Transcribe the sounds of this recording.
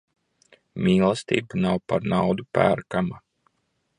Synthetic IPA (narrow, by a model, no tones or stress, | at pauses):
mʲiːlˠast̪ḭːbanawpaɾnawd̪upæ̰ːɾkama